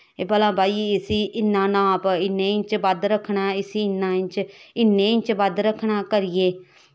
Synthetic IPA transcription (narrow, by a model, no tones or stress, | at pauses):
eːpəlãːbʱaːiːɪsiːʔɪnːãːnãːpɪnːẽːɪ̃t͡ʃʋəd̪ɾəkʰːɳaːɪsiɪnːãːɪ̃ɲt͡ʃɪnːẽːɪt͡ʃʋəd̪ɾəkʰːɳaːkəɾɪjeː